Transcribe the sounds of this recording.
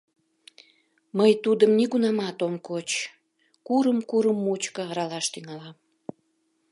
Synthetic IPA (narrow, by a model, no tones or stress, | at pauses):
məjt̪ud̪əmniɣunɑmɑt̪omkot͡ɕ | kuɾəmkuɾəmːut͡ɕkəːɾɑlɑʃt̪yŋɑlɑm